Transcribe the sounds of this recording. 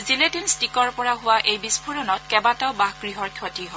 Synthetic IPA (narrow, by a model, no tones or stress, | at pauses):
ziletinstikɔɹpɔɹaɦʊwaʔejbispʰuɹɔnɔt̚kɛbataʊbaɦɡɹiɦɔɹkʰjɔtiɦɔ